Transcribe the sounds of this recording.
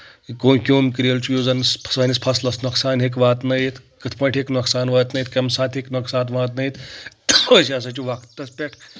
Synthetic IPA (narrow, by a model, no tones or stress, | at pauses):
koːnkʲoːmʲkɨɾiɐlt͡ʃʰujoːzɐnspʰsɐnispʰɐslɐsnɐksaːnɦek̬ʋaːt̪nɐjit̪kɨt̪ʰpʰɐːʈʰeknɐksaːnʋɐːt̪nɐit̪kɐmsaːt̪ʰɦeknɐksaːt̪ʋaːt̪nɐjit̪ | ɐsʲaːs̬ɐt͡ʃʲuʋɐkʰt̪t̪ɐspʲeʈʰ